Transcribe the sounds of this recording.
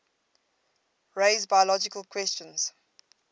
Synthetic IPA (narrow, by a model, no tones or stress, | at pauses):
ɹeɪzbajəlɔd͡ʒɪkəlˠkʰwɛst͡ʃə̃nz̥